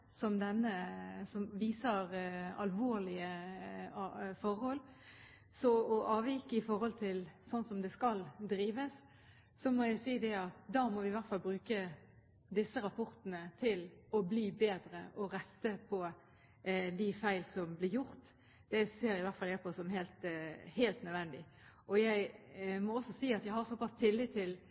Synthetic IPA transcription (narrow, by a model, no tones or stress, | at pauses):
sɔmd̪ɛnːəsɔmʋiːsəɾɑlʋoːɾlɪə | fɔɾhɔlː | sɔɔʔɑːʋjikəɪfɔɾhɔlt̪ʰɪlsɔnːsɔmd̪ɛskɑld̪ɾiːʋəs | sɔmɔjæɪsiːd̪ɛɑt̪̚d̪ɑːmɔʋɪʋæʁt̪fɑlbɾʉːkə | d̪ɪsːəɾɑpʰɔɾt̪ənət̪ʰɪlɔbliːbeːd̪ɾəʔɔɾɛt̪ːəpʰɔ | d̪ɪfæɪlsɔmblɪɾjʊɾt̪ | d̪̥ɛseːɾɪʋæʁtfɑljæpʰosɔmhɛːlt̪hælt̪nœd̪ʋɛnd̪ɪʔɔjæɪmɔɔsːɔsiːɑt̪jæɪhɑɾsɔpɑst̪ʰɪlːiːt̪ʰːɪl